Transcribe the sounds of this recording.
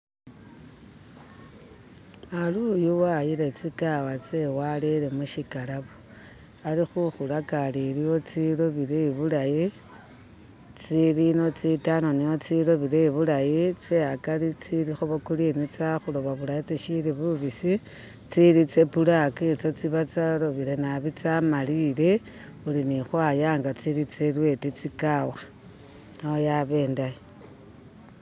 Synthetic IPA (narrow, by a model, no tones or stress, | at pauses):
alujuwajile̞t͡sikawat͡sewalelemuʃikalaβo̥ | alixuxulakaliliwo̞t͡siloβileβulaji | t͡silino̞t͡sitanoniot͡silo̞βileiβulajit͡seakalit͡siɾixoβokulinit͡saxuloβaβulajit͡siʃiɾiβuβisi | t͡siɾit͡sepulaket͡sot͡siβat͡saloβiɾenaβit͡samalile̞ | ulinixwaːjaːŋɡat͡silit͡selwe̞tit͡sikawa | aojaβe̞ːndaje